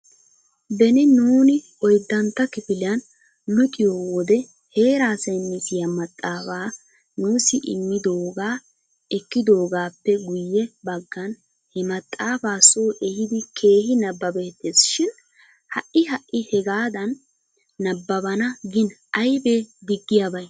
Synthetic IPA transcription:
bɛnɪnuːnɪ | ɔjd̪ːɐnt̪ːɐkɪpɪlɪjɐn | lʊt̪ʼɪjowɔd̪ɛ | he̞ːɾaːsɐjnːɪsɪjɐmɐt̪ʼːaːfaː | nuːsɪʔɪ̰mːɪd̪oːɡaː | ɛkːɪd̪o̞ːɡaːpːɛɡʊjːɛbɐɡːɐn | hɛmɐt̪ʼːaːfaːsoːʔɛhɪd̪ɪkʰe̞ːhɪnɐbːɐbeːt̪ːeːsʃɪn | hɐʔɪɦɐʔːɪhɛɡaːd̪ɐnː | ɐbːɐbɐnɐɡɪnɐjbeːd̪ɪɡːɪjabɐj

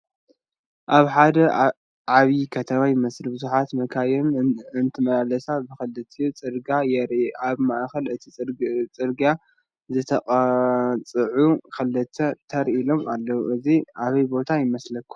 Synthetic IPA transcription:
ʔaβħad̪ɐ | ʕaβikʰɐt̪ʰɐwajmɐslɨbɨzuħat̪mɐkʰajɛnɨnt̪ʰɨmɐlalɐsabɨxɐlɨt̪ʰijut͡sʼɨɾɡajɛɾʔaβmaʔxɐlɨt̪ʰit͡sʼɨɾɡa | zɨt̪ʰɐkʼt͡sʼɨʕukʰɐlːɨt̪ʰɐt̪ʰɐɾʔilo̞malːɐwuʔɨziʔaβɐjbo̞t̪ʰajɪmɐslɐkʰːu̥

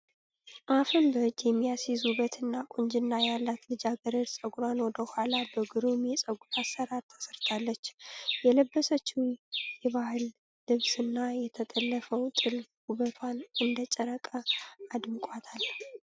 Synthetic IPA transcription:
ʔafɨmbəɨd͡ʒjɛmːijasizuβət̪ʰɨnːakʼoɲd͡ʒɪnːajalːat̪lɨd͡ʒaɡəɾəɾsʼəɡuɾanwɔd̪əhʊalabəɡɨɾomɛsʼəɡut̪ʰasəɾaɾt̪ʰə̥səɾt̪ʰalːət͡ʃːjɛləbːəsət͡ʃːuwjɛβahɨlː | ɨβsɨnːajɛt̪ʰət̪ʼəlːəfəwt̪ʼɨlhuβət̪ʰwanɨnd̪ət͡ʃʼəɾəkʼəad̪ɨmkʼat̪ʰal

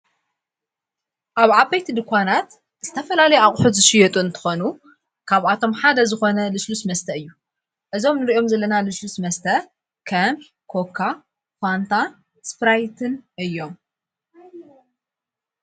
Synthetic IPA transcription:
ʔaβʕabːɐjt̪ʰid̪ɨkʰʷːanat̪ | z̥ɨt̪ʰɐfɐlalɐjɛaχʼħut̪zɨʃɪjɛt̪ʼuɨnt̪ʰɨ̥xonu | kʰaβat̪ʰo̞mħad̪ɐzɨxo̞nɐlɨslusmɐst̪ʰɐɨjːu | ʔɨzo̞mnɨɾiʔo̞mzɐlːɐnalɨslusmɐst̪ʰɐ | kʰɐm | kʰo̞kʰːa | fʷant̪ʰa | spɾajt̪ʰɨnʔɨjːo̞m

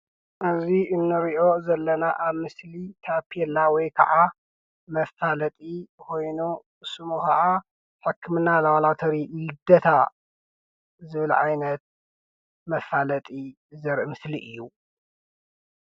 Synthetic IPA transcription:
ʔɨziɨnːɨɾiʔo̞zɐlːɐnaʔaβmɨslit̪ʰapʰɛlːawɔjkʰɐ̰ʕa | mɐfalɐt̪ʼikʰo̞jnu | sɨmuxaʔa | ħɨkʰːɨmɨnalɐwalat̪ʰɐɾilɨd̪ɐt̪ʰa | zɨβɨlʕa̰jnɐt̪̚ | mɐfalɐt̪ʼi | zɐɾʔɨmɨsliʔɨjːu

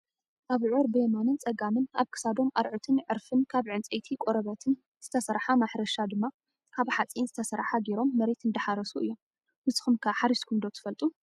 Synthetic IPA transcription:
ʔaβʕoɾbjɛmanɨnt͡sʼɐɡamɨna̰βkʰɨ̥sad̪o̞mʔa̰ɾʕɨt̪ʰɨnʕɨɾfɨnkʰaβʕɨnt͡sʼɐjt̪ʰikʼoɾɐβɐt̪ʰɨn | z̥ɨt̪ʰɐsɐɾħamaħɾɐʃad̪ɨmːa | kʰaβħat͡sʼinzɨt̪ʰɐsɐɾħaɡeɾo̞mːɐɾet̪ɨnd̪ɐħaɾɐsuʔɨjːo̞m | bɨsʼɨ̥xɨmkʰaħaɾiskʰund̪o̞t̪ʰɨ̥fɐlt̪ʼu

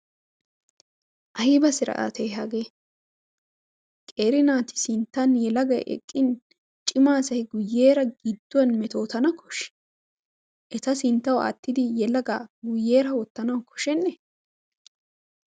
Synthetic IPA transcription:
ʔɐjɪbɐsɪɾɐ̰ʔa̰t̪ʰɛjɦɐɡe | kʼe̞ːɾɪnaːt̪ɪ̥sɪnt̪ːɐnjɛlɐɡɐj̰ʔɛ̰kʼːɪn | t͡ʃʼɪmaːsɐhɪɡʊjːeːɾɐɡɪd̪ːʊjɐnmɛt̪o̞ːt̪ɐnɐkʰɔ̥ʃ | ʔɛt̪ɐsɪnt̪ːɐwɐ̰t̪ːɪd̪ɪjɛlɐɡaːɡʊjːe̞ːɾɐwɔt̪ːɐnɐwkʰɔ̥ʃɛnːɛ

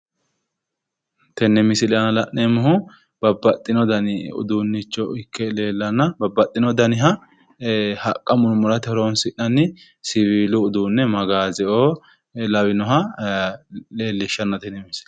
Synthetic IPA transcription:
t̪ɛnːɛmɪsɪlɛɐnɐlɐʔnemʊhʊ | b̥ɐbːɐt̪ʼːɪnɔd̪ɐnɪʊ̰d̪unːɪt͡ʃːɔɪkʰːɛle̞ːlːɐnːɐbɐbɐt̪ʼːɪnɔd̪ɐnɪɦɐ | hɐkʼːɐmʊnʊmʊɾɐt̪ɛɾonsɪʔɐnɪ | sɪβiːlʊːd̪uːnːɛmɐɡaːzɛʔoː | lɐwɪnɔɦɐ | leːlːɪʃːɐnːɐt̪ɛnːɛmɪs

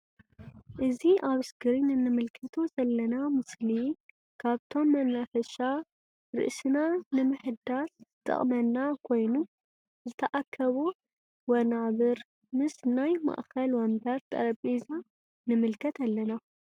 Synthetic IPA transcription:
ʔɨziʔaβɨsɡɨɾinɨnɨmɨlkʰɐt̪ʰozɐlːɐnamɨsli | kʰaβt̪ʰo̞mːɐnafɐʃa | ɾɨ̰ʔsɨnanɨmɨħɨd̪aszɨt̪ʼɐ̰χʼmɐnːakʰo̞jnu | zɨt̪ʰɐʔakʰːɐβu | wɐnaβɨɾ | mɨsnajma̰ʔxɐlwɐnbɐɾt̪ʼɐ̰ɾɐpʼiza | nɨmɨlkʰɐt̪ʰalːɐna

